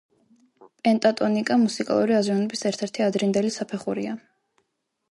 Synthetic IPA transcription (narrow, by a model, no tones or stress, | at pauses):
pʼɛnt̪ʼat̪ʼɔnikʼamusikʼa̰lˠuɾiaziɔnɔbisɛɾt̪ʰɛɾt̪ʰiad̪ɾind̪ɛlisapʰɛχuɾḭa